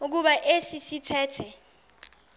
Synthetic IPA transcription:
uk̬uɓaʔesisitʰɛːtʰɛ

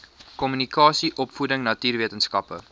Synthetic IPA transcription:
kɔmynikɑːsiʔɔpfudəŋnɐtiːrviətənskɐpə̰

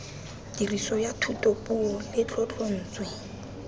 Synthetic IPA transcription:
d̥irisɔjatʰutʼopʼuɔlɪt͡ɬɔt͡ɬʼon̩ːt͡swe

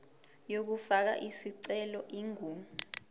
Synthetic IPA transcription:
jok̬ufak̬a̰ʔisiǀɛlɔʔiŋuːmu

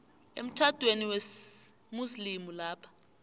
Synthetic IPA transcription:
ḛm̩tʰatweniwes | muslimulaːpʰḁ

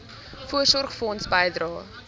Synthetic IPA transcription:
fuərsɔrχfəɔnsbəjdrɑː

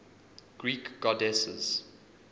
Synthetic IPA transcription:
ɡ̥ɹiːkɡ̥ɔdɛsə̰z̥

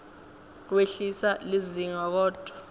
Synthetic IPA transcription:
k̬weɬisaliziŋak̬ɔːd̥ʱwa

